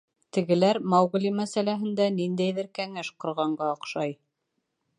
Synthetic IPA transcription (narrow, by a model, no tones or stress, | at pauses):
t̪ɘ̆ɡɘ̆læɾmɑwʁɘ̆limæsælæɦɘ̆nd̪ænind̪æjðɘɾkæŋæʃqŏɾʁɑɴɢɑoqʃɑj